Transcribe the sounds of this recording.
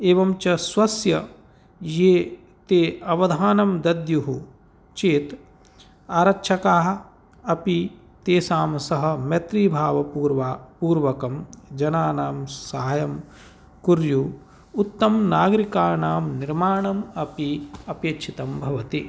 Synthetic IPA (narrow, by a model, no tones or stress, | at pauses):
eːʋɐmt͡ʃɐsʋɐsjɐ | jeː | t̪eːɐʋɐd̪ʱaːnɐmd̪ɐd̪juɦu | t͡ʃeːt̪ | aːɾɐkʃʰɐkaːɦ | ɐpi | t̪eːsaːmsɐɦɐ̆mjɐt̪ɾiːbʱaːʋɐpuːɾʋaːpuːɾʋɐkɐmd͡ʒɐnaːnaːmsaːjɐm | kuɾju | ut̪ːɐmnaːɡɾikaːnaːmniɾmaːɳɐmɐpiɐpjɐtt͡ʃʰit̪ɐmbʱɐʋɐt̪i